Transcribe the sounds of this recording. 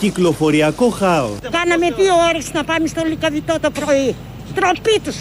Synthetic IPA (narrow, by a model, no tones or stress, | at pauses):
ciklo̞fo̞ɾiɐkoxɐo̰kɐnɐme̞ðiooɾesnɐpɐmest̪olikɐðit̪ot̪opɾoi | t̪ɾopit̪us